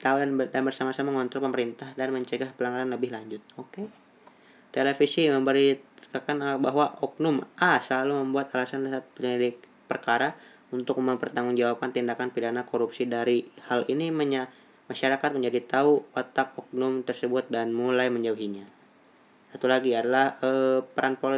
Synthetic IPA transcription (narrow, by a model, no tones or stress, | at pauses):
t̪audandanbərsamasamaŋɔnt̪ɾɔrpəməɾint̪ahdanməɲt͡ʃəɡahpəlaŋɡaɾanləbɪhlaɲd͡ʒʊt̪̚oke | t̪elefisiməmbəɾikakanbaɦwaʔɔk̚nʊmʔasəlaluməmbuat̪alasandasat̪̚pəɲidi | pərkaɾa | unt̪ʊk̚məmpərt̪aŋʊnd͡ʒawap̚kant̪indakanpidanakoɾupsidaɾihaliniməɲa | maʃaɾakat̪̚məɲd͡ʒadit̪auwat̪ak̚ɔk̚nʊmt̪ərsəbʊt̪̚danmulajməɲd͡ʒauɦiɲa | sat̪ulaɡiadalahəpəɾanpo